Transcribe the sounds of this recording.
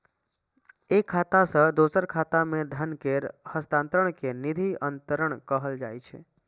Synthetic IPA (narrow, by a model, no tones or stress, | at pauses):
ekʰːat̪asəd̪osəɾkʰat̪amẽd̪ʱənkeɾhəst̪ãnt̪ɾəɽ̃kenid̪ʱiʔənt̪əɾəɳkəɦəld͡ʒa̰jt͡ʃʰḛ